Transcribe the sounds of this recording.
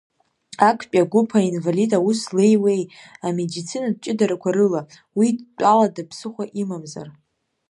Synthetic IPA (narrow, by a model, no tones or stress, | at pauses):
akʷʰpʲʼaɡʷupʰainvalidauslejwe̞jame̞dit͡sʰinad̚t͡ʃʼɪdaɾakʷʰaɾɨla | wiːaladapʰsɨχʷaʔimamza̰r